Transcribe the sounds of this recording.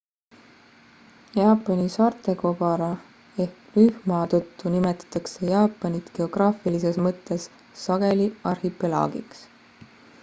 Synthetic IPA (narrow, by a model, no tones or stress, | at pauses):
jɑːpːˑɑnisɑrt̪ˑe̞kob̥ɑɾɑ | e̞hklyhmɑːt̪ot̪ːunimet̪ːˑɑ̥t̪ːˑɑkse̞jɑːpːˑɑnit̪ke̞o̞ɡ̥rɑːfilise̞smɤt̪ːe̞sː | ɑɡ̥e̞liɑrhipːelɑ̰ːɡḭks